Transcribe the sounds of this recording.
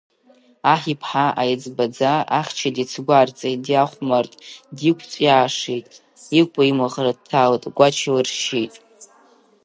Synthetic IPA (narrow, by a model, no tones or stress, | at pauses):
aħipʰħaʔajad͡zbad͡zaaχʲt͡ʃʰadit͡sʰɡʷart͡sʼejdjaχʷmartʼdikʷʰt͡sʷʼjaːʂejtʼ | ikʷʼaimɨʁrad̚tʰaltʼɡʷat͡ʃʰilɨrʃijtʼ